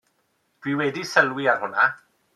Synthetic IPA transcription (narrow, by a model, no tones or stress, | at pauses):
d̥wiwɛdisəlˠwiarhʊna